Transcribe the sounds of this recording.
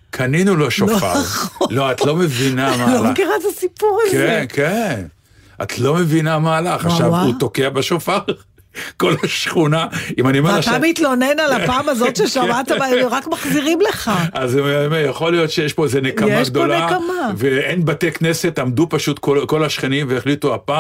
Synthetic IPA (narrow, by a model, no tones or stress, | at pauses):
kʰaninuloʃofa̰ʁχlo̞at̪lo̞me̞vinamalolakiʁazasipuʁakzeenken | a̰tlo̞me̞vinamaːlaχaʃavut̪okeabeʃofaʁ | ko̞laʃχunaimanioeaʃtaamit̪lo̞nenalapaːmazotʃeʃamat̪aamoʁakmaχziʁimleχaazemmejaχo̞lijo̞t̪ʃejeʃpo̞ezenekamaɡd̪o̞lnekamaveenbatekne̞se̞t̪amd̪upaʃut̪koko̞laʃχenimveːχlituapa